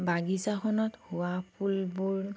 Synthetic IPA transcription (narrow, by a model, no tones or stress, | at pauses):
baɡisakʰɔnɔthuapʰulbuɹ